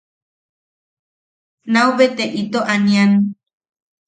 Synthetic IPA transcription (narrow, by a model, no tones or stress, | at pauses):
nauβet̪eʔit̪oʔanĩan